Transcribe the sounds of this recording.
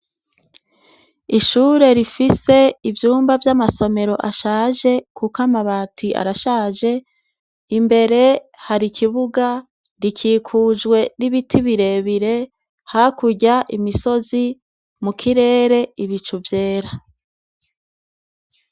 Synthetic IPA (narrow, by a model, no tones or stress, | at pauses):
iʃuːɾe̞ɾifise̞ivjuːmbavjamaso̞me̞ɾo̞ʔaʃaːʒe̞kʰukamaβaːtʰiʔa̰ɾaʃaːʒe̞ | imbe̞ɾe̞ | haɾikʰiβuɡa | ɾikʰiːkʰuːd͡ʒɡwe̞niβitʰiβiɾe̞βiɾe̞ | hakuɟaʔimiso̞zi | mukʰiɾe̞ːɾe̞iβit͡ʃuvje̞ːɾa